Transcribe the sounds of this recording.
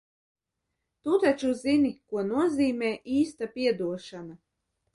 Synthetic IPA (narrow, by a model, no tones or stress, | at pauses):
t̪ut̪at͡ʃuzinikuɔnuɔziːmɛːʔiːst̪apʲiɛd̪uɔʃana